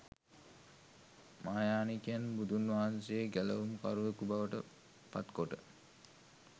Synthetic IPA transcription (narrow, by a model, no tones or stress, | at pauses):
maːjaːnikijanbud̪unʋaɦansejeɡæləʋumka̰ɾuʋəkubaʋəʈə̰ | pa̰t̪koʈə